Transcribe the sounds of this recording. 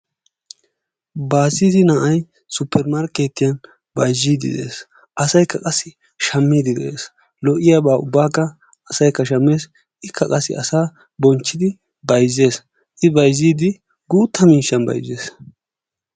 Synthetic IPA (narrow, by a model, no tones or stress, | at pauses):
baːziːd̪ɪnɐʔɐj | sʊpʰːɛɾmaɾke̞ːt̪ːɪjɐn | bɐjzːiːd̪ɪ̰d̪e̞̰ːs | ʔɐsɐjkʰːɐkʼɐsːɪ | ʃɐmːiːd̪ɪd̪ɛ̰ʔeːs | lɔʔɪjaːbaːʊbːaːkːɐ | ɐsɐjkːɐʃɐmːe̞ːs | ʔɪkʰːɐkʼɐsːɪ̰ɐsaː | bɔnt͡ʃːɪd̪ɪ | bɐjzːe̞ːs | ʔɪbɐjziːd̪ɪ | ɡuːt̪ːɐmiːʃɐnbɐ̰jzeːs